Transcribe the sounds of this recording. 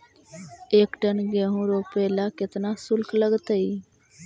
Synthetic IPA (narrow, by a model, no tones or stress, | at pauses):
eːkʈənɡeːɦũːɾoːpeːlaːkɪt̪naːsʊlkləɡt̪əiː